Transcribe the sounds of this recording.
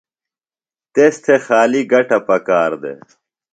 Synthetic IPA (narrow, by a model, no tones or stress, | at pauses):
t̪est̪ʰexaːliɡɐʈɐpɐkaːɾd̪ḛ